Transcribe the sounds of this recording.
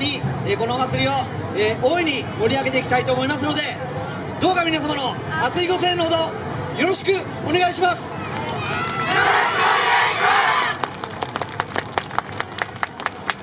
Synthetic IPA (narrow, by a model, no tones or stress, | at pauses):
ɲieko̞no̞ːmat͡sɨɾʲio̞ | ʔoːiɲ̟imo̞ɾʲiaɡe̞t̪e̞ikʲi̥t̪ait̪oːmo̞imas̬ɨno̞d̪e̞ | d̪o̞ːkamʲinasamano̞ | mat͡sɨiɡo̞s̬ẽ̞nːoɦod̪o̞ | jo̞ɾo̞ɕi̥kɯ̟ | one̞ɡaiɕimasɨ̥